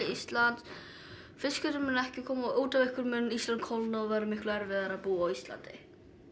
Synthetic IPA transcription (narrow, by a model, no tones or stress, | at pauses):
ɪist̪lant̪s | fɪskʏt̪ʏɾmʏnɛhcɪkʰɔːmaoːt̪avɪhkʏɾmʏnːist̪lant̪̚kʰowlnaɔvaːɾɪmɪhklʏɛɾvɪðaɾaðpuːaawist̪la̰nt̪ɪ̰